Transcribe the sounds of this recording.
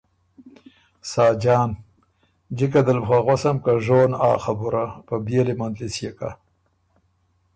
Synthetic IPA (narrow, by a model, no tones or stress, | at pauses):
sɑːd͡ʒɑːn | d͡ʒikad̪əlxaɣosamkaʐoːnaːxabuɾapabjelimand̪lisjeka̰